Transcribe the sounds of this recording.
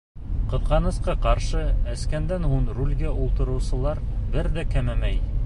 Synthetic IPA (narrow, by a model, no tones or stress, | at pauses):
qɤ̆qɑnɤ̆sqɑqɑɾʃɤæskænd̪ænhuɴrulʲɡæʔulˠt̪ɤ̆ɾɤ̆wsɤ̆lˠɑɾbɘɾðækæmæmæj